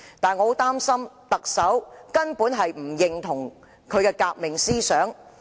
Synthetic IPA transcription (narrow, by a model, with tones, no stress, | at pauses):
t̪aː˨nŋɔː˨˧o˨˥t̪aː˥msɐ˥mt̪ɐ˨k̚sɐ˨˥wkɐ˥npuː˨˥nɦɐ˨jm̩˨˩jɪ˨ŋt̪ʰʊ˨˩ŋ | kʰɵ˨˧ɥkɛː˧kaː˧k̚mɪ˨ŋsiː˥sœː˨˥ŋ